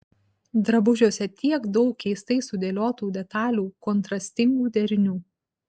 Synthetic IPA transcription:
d̪ɾɐbʊʒʲoːsʲɛt̪ʲiɛɡd̪ɒʊkːʲɛɪst̪ɐɪsʊd̪ʲeːlʲoːt̪uːd̪ʲɛt̪ɑːlʲuːkɔnt̪ɾɐsʲt̪ʲɪŋɡuːd̪ʲɛɾʲɪnʲuː

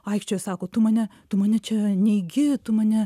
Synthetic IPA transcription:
ɐɪkʃʲt͡ʃʲoːjsɑːkoːt̪ʊmɑːnʲɛt̪ʊmɑːnʲɛt͡ʃʲɛnʲɛɪɡʲɪt̪ʊmɑːnʲɛ

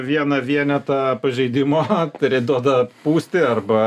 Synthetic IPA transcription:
ʋʲiɛnɐʋʲiɛnʲɛt̪ɐpɐʒʲɛɪd̪ʲɪmoːt̪ɾʲɛɪd̪uɔd̪ɐpuːsʲt̪ʲɪɐrbɐ

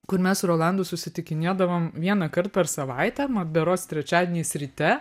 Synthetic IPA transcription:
kʊɾmʲɛsɾoːlˠɑˑnd̪ʊːsʊsʲɪt̪ʲɪkʲɪnʲeːd̪ɐʋoːmʋʲiɛnɐkɐɾt̪̚pʲɛɾsɐʋɐɪt̪ʲɛmɐd̪ʲbʲɛɾoːst̪ʲɾʲɛt͡ʃʲæːd̪ʲeːnʲejsʲɾʲɪt̪ʲɛ

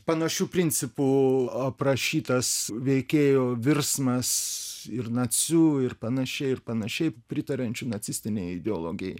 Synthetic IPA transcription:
pɐnɐʃʲuːpʲɾʲɪnʲt͡s̪ʲɪpuːɐpɾɐʃʲiːt̪ɐsʋʲɛɪkʲeːjoːʋʲɪrsmɐsɪrnɐt͡sʲuɪrpɐnɐʃʲɛɪɪrpɐnɐʃʲɛɪpʲɾʲɪt̪ɐɾʲɐnʲt͡ʃʲʊnɐt̪t͡s̪ʲɪsʲt̪ʲɪnʲeːjɛɪd̪ʲɛolˠoːɡʲɪjɛ

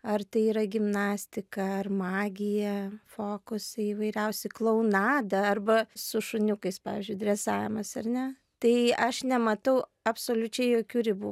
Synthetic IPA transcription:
ɐrt̪ɐɪiːɾɐɡʲɪmnɑːsʲt̪ʲɪkɐɐrmɑːɡʲɪjɛfoːkʊsɐɪʋɐɪɾʲɛʊsʲɛɪklˠɐʊnɑːd̪ɐɐrbɐsʊʃʊnʲʊkɐɪspɑ̰ːʋʲḭːzʲd͡ʒʲʊɪd̪ʲrʲɛsɑːʋʲɪmɐsɐrnʲɛ | t̪ɐɪɐʃnʲɛmɐt̪ɐʊɐpsoːlʲʊt͡ʃʲɛɪjoːkʲuːɾʲɪbu

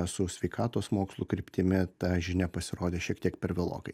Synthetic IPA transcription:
sʊsʲʋʲɛɪkɑːt̪oːsmoːkslˠukɾʲɪpʲt̪ʲɪmʲɪt̪ɐʒʲɪnʲɛpɐsʲɪɾoːd̪ʲeːʃʲiɛkt̪ʲiɛkpʲɛɾʋʲɪlˠo̰ːkɐɪ

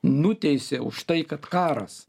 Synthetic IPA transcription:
nʊt̪ʲɛɪsʲeʊ̰ʃt̪ɐɪkɐt̪kɑːɾɐs

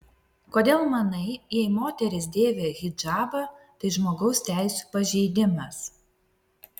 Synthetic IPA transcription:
koːd̪ʲeːlˠmɐnɐɪjɛɪmoːt̪ʲɛɾʲɪsd̪ʲeːʋʲeːɣʲɪd͡ʒɑːbɐt̪ɐɪʒmoːɡɒʊsʲt̪ʲæˑɪsʲuːpɐʒʲɛɪd̪ʲɪmɐs

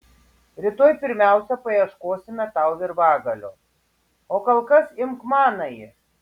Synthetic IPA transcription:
ɾʲɪt̪oːjpʲɪɾʲmʲæˑʊsʲɛpɐjiɛʃkoːsʲɪmʲɛt̪ɐʊʋʲɪɾʋɑːɡɐlʲo̰ | oːkɐlˠkɐsɪmkmɑːnɐjɪ

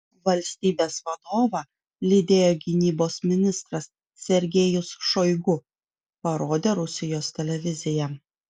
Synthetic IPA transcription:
ʋɐlʲsʲt̪ʲiːbʲeːsʋɐd̪oːʋɐ | lʲɪd̪ʲeːjoːɡʲɪnʲiːboːsmʲɪnʲɪst̪ɾɐs | sʲɛɾʲɡʲeːjʊsʃojɡʊ | pɐɾoːd̪ʲeːɾʊsʲɪjoːst̪ʲɛlʲɛʋʲɪzʲɪjɛ

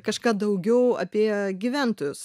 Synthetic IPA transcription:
kɐʃkɑːd̪ɐʊɡʲɛʊɐ̰pʲiɛɡʲiʋʲæːnt̪oːjʊs

